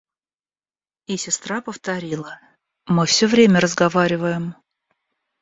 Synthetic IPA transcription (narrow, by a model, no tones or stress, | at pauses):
isʲɪst̪ɾapəft̪ɐɾʲilˠə | mɨfsʲɵvɾʲemʲərəzɡɐvaɾʲɪvəjɪm